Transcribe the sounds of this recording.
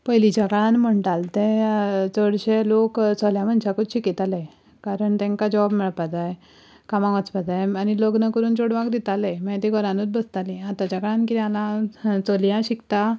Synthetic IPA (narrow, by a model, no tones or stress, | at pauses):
pəjlit͡ɕakaɭãnm̤əɳʈalt̪ẽt͡səɽɕelokt͡sɔljãmənɕakut͡sɕikit̪ale | kaɾəɳt̪ẽŋkad͡ʑɔʋabmɛɭpad͡zaj | kamãʋat͡spad͡zajaniloknəkəɾuːnt͡ɕoɽʋakd̪it̪alemət̪iɡʱɔɾãnut͡s̪̚bəst̪alĩat̪at͡ɕakəɭãnkit̪ialãt͡solijãɕikt̪a